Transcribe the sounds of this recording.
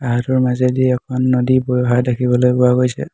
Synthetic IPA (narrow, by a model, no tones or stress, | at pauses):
aɦatɔɹmazɛdiɛɛkʰɔnːodibojɔɦadakʰibɔlojkʊaɡojsɛ̰